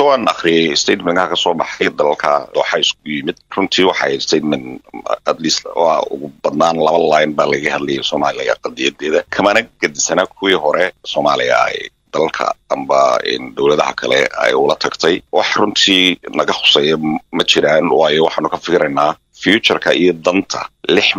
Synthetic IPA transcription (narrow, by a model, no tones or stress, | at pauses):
sɔwaːnɐ̰χɾɪjɛjst̪ʰɛd̪mɐŋkːkʰɐsɔːbɑħɛjd̪ɐlɐlkʰɐd̪ɔːħɑɪskɡʰʊjɪmɪd̪̥̚rʊnt̪ʰiːwɑħɑst̪ʰɛd̪mɛnɐd̪liːswɑ̰ʊ̰ɣʊbɐd̪naːnlɐβɐlaːjnbaːlɐɣɐɣɐhɐd̪lɛjɛsɔːmaːlɪjɐ̰qɑd̪ɪjɐd̪ɛːðɐkʰɐmɐnɐɡ̥ɐd̪ɪsɐnɐkʰʊwiːɦɔɾɛsɔːmaːlɪjɐ̰ɛ̰ | d̪ɐlɐlkʰɐ̰ʔɐmbɐɛ̰ːnd̪ɔwlɐðɐɦɐ̰kʰɐlɛ̰ɐ̰jʊlɐt̪ʰɐɡt̪ʰɛjwɑħrʊnt̪ʰiːnɐɣɐħʊ̥sɛːjɛmɐt͡ʃʰɪɾaːnwɑːjɔwɑħɑːnʊkʰɐfɪkɾɐnaː | fijut͡ʃɐrkʰɐijɔd̪ɐnt̪ʰɐ̰lɪħ